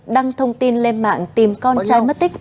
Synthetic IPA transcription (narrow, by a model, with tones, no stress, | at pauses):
ɗa˧ŋt̪ʰə˧wŋ͡mt̪i˧nle˧nma̰ː˧˨ŋt̪i˨˩mkɔ˧nt͡ɕaː˧jmə˦˥t̚t̪ï˦˥k̚